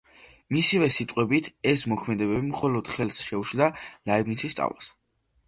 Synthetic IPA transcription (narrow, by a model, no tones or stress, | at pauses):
misivɛsit̪ʼqʼwɛbit̪ʰɛsmɔkʰmɛd̪ɛbɛbimχɔlɔd̪̥χɛlˠsʃɛuʃld̪alaibnit̪sʰist̪sʼa̰vla̰s